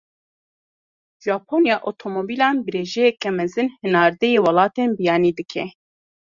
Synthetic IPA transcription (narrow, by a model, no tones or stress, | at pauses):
ʒ̥ɑːpʰoːnjɑːʔot̪ʰomobiːlɑːnbɨɾeːʒɛjɛkɛmɛzɨnhɨnaːɾd̪ɛjeːwɑlɑːt̪eːnbijɑːniːd̪ɨkʰɛ